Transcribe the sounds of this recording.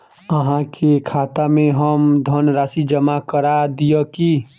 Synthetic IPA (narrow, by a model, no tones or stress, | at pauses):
əɦãkʰekʰaːt̪amẽɦəmd̪ʱənɾaːsid͡ʒəmakəɾad̪ijəki